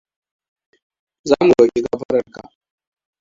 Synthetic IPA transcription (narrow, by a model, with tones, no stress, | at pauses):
zaː˦mu˨ɗɔː˨kʲi˦ɡa˦ɸɐ˦ɽɐ˨rka̰˨ʔ